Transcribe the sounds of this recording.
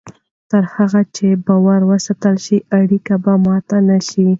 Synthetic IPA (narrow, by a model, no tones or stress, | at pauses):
t̪əɾhaɣat͡ʃebɑwaɾwəsat̪əlʃiʔaɽikabamɑt̪anaʃi